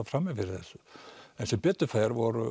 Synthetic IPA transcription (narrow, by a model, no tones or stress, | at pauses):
afɾamːɪfɪɾɪθɛsʏɛnsɛmpɛt̪ːʏfaːjɾvɔɾʏ